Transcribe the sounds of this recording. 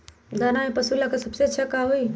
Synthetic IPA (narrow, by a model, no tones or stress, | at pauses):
d̪aːnamẽpɐsulakasɐbseɐt͡ʃʰakaɦoi